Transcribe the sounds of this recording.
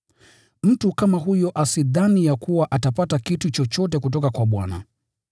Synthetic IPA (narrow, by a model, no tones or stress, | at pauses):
m̩tukamaɦujɔʔasiðanijakuwaʔatapatakitut͡ʃɔt͡ʃɔtɛkut̬ɔkakwaɓwa̰na̰